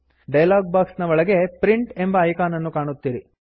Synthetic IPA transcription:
ɖɐjɐlaːɡ̚baːksnɐʋɔɭɐɡe̞pɾiɳʈembɐːjkaːnɐnːukaːɳut̪ːiːɾi

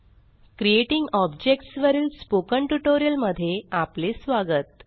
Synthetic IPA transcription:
kɾijeʈiŋɡɔbd͡ʑekʈsʋəɾiːlspokəɳʈuʈoɾijəlməd̪ʱːjeaplesʋaɡət̪̚

